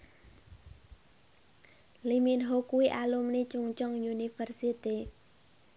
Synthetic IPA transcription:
limiənɦokujʔaːlomnit͡ɕuŋt͡ɕoŋjunifərsiət̪ːeː

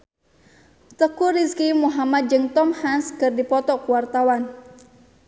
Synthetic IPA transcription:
t̪əkuriskimuɦamat̪̚d͡ʒɨŋt̪ɔmhanskɨrdipɔt̪ɔkuwart̪awan

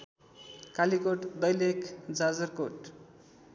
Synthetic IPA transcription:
kalikoʈd̪ʌjlekd͡zad͡zʌrkoʈ

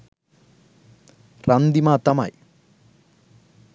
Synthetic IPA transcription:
rɐnd̪imaːt̪ːɐma̰j

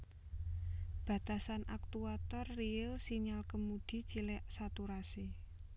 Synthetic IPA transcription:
b̥ä̤t̪asanʔak̚t̪uat̪ɔrːiɪlsiɲalkəmud̪̥i̤t͡ʃilɛʔsat̪uɾasi

